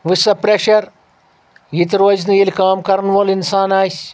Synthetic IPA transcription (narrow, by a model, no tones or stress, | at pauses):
ʋɨsɐpɾeʃɐɾ | jit̪ʲiɾoːznɨjilʲkaːmkɐɾnʋolinsaːnaːsʲ